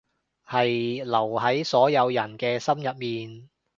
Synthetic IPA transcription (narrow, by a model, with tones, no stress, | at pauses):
hɐ˨jlɐ˨˩whɐ˨˥jsɔː˨˥jɐ˨˧wjɐ˨˩nkɛː˧sɐ˥mjɐ˨p̚miː˨n